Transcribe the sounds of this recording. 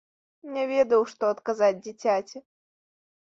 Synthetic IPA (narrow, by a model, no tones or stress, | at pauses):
nʲɛvʲɛd̪ɐwʂt̪ɔɐt̪kazad͡zʲd͡zʲit͡sʲat͡sʲɪ